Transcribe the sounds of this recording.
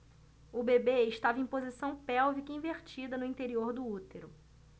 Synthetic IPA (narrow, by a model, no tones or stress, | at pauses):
ʊbebeɪʃt̪avɐẽpozisɐ̃w̃pɛwvikĩveɾt͡ʃid̪ɐnʊĩnt̪eɾioɾd̪ʊut̪eɾʊ